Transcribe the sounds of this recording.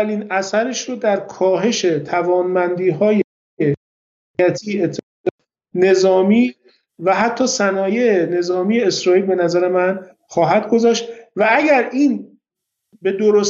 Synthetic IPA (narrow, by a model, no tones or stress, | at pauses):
æliːnæsæɾeʃɾod̪æɾkʰɒːɦe̞ʃe̞t̪ʰævɒːnmænd̪iːɦɒːje | e | æt̪ʰiːet̪ʰː | ne̞zɒːmiː | væɦæt̪ʰːɒːsænɒːjeene̞zɒːmije̞ːsɾɒːilbe̞næzæɾe̞mæn | xɒːɦæd̪ɡo̞zɒːʃt̪vææɡæɾiːn | be̞d̪oɾos